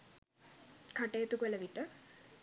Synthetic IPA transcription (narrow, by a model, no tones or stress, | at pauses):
kʰaʈejet̪ukʋəlɐʋiʈə